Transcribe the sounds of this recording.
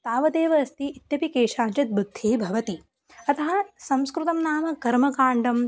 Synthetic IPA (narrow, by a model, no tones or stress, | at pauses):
t̪aːʋɐd̪eːʋɐɐst̪iit̪jɐpikeːʂaːɲt͡ʃɐt̪̚bud̪ʱːeːbʱɐʋɐt̪i | ɐt̪ɐɦɐsɐ̃mskɾut̪ɐmnaːmɐkɐɾmɐkaːɳɖɐm